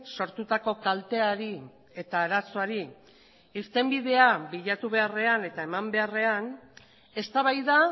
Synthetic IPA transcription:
so̞ɾt̪ut̪ako̞kalt̪e̞aɾi | e̞t̪aːɾaso̞aɾi | iɾt̪e̞mbið̞e̞abiʎat̪uβ̞e̞are̞ane̞t̪ae̞mambe̞are̞an | e̞st̪aβajða

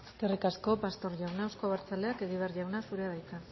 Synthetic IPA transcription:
kerikasko̞past̪o̞ɾʝawnaewsko̞βaɾt͡sale̞ake̞ɣiβeaɾrʝawnasuɾe̞aðajt̪a

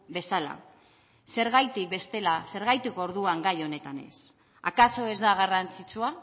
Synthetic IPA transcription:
be̞sala̰ | se̞ɾɣajt̪ik̚be̞st̪e̞lase̞ɾɣajt̪eko̞ɾðuaŋɡajo̞ne̞t̪ane̞̰s | a̰kaso̞e̞zd̪aɣ̞arant͡sit͡sua

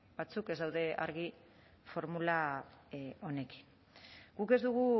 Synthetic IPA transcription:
bat͡suke̞zd̪awðe̞ʔaɾɣi | fo̞ɾmula | o̞ne̞ki̥n | ɡuke̞zd̪uɣu

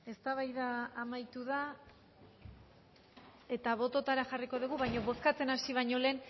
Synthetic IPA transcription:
e̞st̪aβajðaːmajt̪uða | e̞t̪aβ̞o̞t̪o̞t̪aɾaxariko̞ðuɣ̞uβajɲo̞βo̞skat͡se̞nasiβ̞aɲo̞le̞ːn

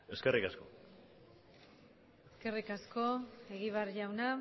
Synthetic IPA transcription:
e̞ske̞rikasko̞ | eske̞rikasko̞e̞ɣiβeaɾʝawna

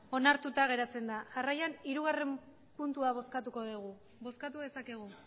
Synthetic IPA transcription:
o̞naɾt̪ut̪aɣ̞e̞ɾat͡se̞nd̪aʝarajaniɾuɣare̞m | punt̪uaβ̞o̞skat̪uko̞ðiɣ̞u | bo̞skat̪uðe̞sake̞ɣ̞u

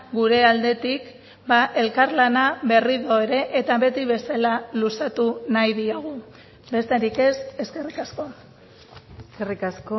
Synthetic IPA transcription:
ɡuɾe̞ald̪e̞t̪ik | baʔe̞lkaɾlanaβe̞riðo̞e̞ɾe̞ʔet̪aβe̞t̪iβ̞e̞salalusat̪unajðiaɣ̞u | be̞st̪e̞ɾike̞se̞ske̞rikasko̞a | skerikasko

